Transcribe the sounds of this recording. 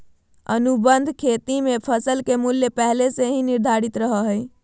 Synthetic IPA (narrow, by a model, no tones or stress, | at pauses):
ə̰nubənd̪ʱkʰet̪imepʰəsəlkemuljepɛɦleseɦĩniɾd̪ʱaɾit̪ɾəɦəɦəj